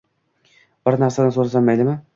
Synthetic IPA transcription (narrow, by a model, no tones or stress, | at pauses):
b̥ɪɾnaɾsad̪ansoɾasamːajd̪ɪmɪ